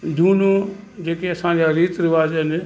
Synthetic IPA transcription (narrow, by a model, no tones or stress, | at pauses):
d̪ʱuːnoː | d͡ʒeːkeɐsãːd͡ʒaːɾiːt̪ɾɪʋaːzn